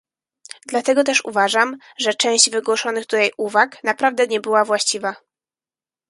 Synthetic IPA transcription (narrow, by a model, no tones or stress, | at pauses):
d̪lat̪ɛɡɔt̪ɛʂṵvaʐam | ʐɛt͡ʂɛ̃w̃ʑd͡ʑvɘɡwɔʂɔnɘɣt̪uajʔuvaknapɾavd̪ɛɲɛbɘwavwaɕt͡ɕiva